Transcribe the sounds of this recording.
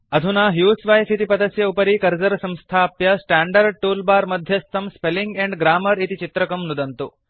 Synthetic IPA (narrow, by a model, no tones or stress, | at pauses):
ɐd̪ʱunaːɦjuːsʋaːjsit̪ipɐd̪ɐsjɐupɐɾikɐɾd͡ʒɐɾɐsɐ̃mst̪ʰaːpjɐsʈaːɳɖɐɾɖ̚ʈuːlbaːɾmɐd̪ʱjɐst̪ɐmspeliŋɡeɳɖɡɾaːmɐɾit̪it͡ʃit̪ɾɐkɐmnud̪ɐnt̪u